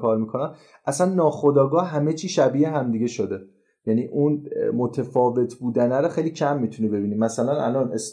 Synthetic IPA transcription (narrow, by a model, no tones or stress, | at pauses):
kʰɒːɾmiːkʰo̞næm | ʔæsænːɒːxo̞d̪ɒːɡɒːhɦæme̞t͡ʃʰiːʃæbieɦæmd̪iɟe̞ʃo̞d̪e | jæniːʔunmo̞t̪ʰefɒːve̞t̪ʰbuːd̪ænæɾoxejlicʰæmːit̪ʰunibe̞biːnimæsælænʔæ̰lɒːnʔe̞s